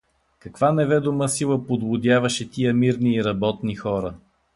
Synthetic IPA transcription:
kɐkv̥anɛvɛd̪oməsilˠəpod̪vʊd̪ʲjavɐʃɛt̪ijəmiɾniːɾɐbɔt̪nixɔɾə

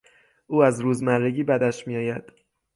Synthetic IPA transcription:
ʔuːæzɾuːzmærːeɟiːbæd̪æʃmijɒːjæd̪̥

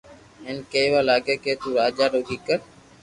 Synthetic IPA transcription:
ẽːnkeːʋaːlaːɡeːkeːt̪uːɾaːd͡ʒaːɾoːɡiːkəɾ

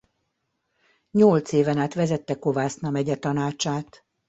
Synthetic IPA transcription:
ɲolt̪seːvɛnaːt̪ʋɛzɛt̪ːɛko̞vaːsnɒmɛɟɛt̪ɒnaːt͡ʃaːt̪

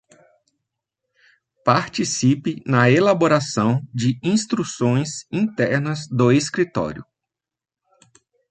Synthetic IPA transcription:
paɾt͡ʃisipɪnɐelaboɾasɐ̃w̃d͡ʒɪĩst̪ɾusõj̃zĩt̪ɛɾnɐzd̪ʊeskɾit̪ɔ̰ɾjʊ

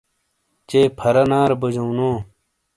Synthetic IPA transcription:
t͡ɕeːpʰɐɾɐnaːɾbɐd͡ʑownoː

